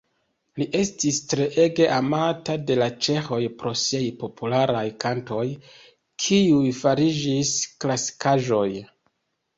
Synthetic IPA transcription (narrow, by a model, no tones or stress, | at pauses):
liʔe̞stistɾe̞ʔe̞ɡe̞ʔamatade̞lat͡ʃe̞xo̞jpɾo̞siejpo̞pulaɾajkanto̞j | kʰiujfaɾid͡ʒisklasi̥kʰaʒo̞j